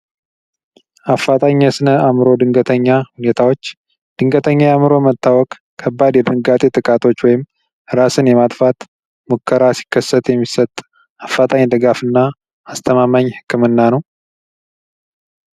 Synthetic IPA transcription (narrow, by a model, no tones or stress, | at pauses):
ʔafːat̪ʼaɲːəsɨnəamɾo̞d̪ɨŋɡət̪ʰəɲːahune̞t̪ʰawot͡ʃː | d̪̥ɨŋɡət̪ʰəɲːajamɨɾo̞mət̪ːawɔkʼ | kʰːəbːad̪jɛbɨnɡat̪ʼet̪ʼɨkʼat̪ʰo̞t͡ʃːwɔjɪm | ɨɾasɨnjɛmat̪ʼfat̪ | mokʰːəɾasi̥kʰːəsːət̪jɛmːisət̪ʼ | afːat̪ʼaɲd̪ɨɡafɨnːaː | st̪ʰəmamaɲːhɨkʰːɨmɨnːanəw